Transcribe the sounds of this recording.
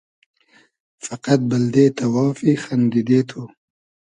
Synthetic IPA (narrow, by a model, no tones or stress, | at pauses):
faqat̪̚bɐld̪eːt̪awɑːfixand̪id̪eːt̪ʰo